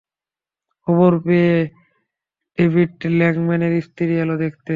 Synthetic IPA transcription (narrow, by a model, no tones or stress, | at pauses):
oβoɾbe | ebʱiʈlɛŋmɛneɾist̪iɾiɛlod̪ekʰt̪e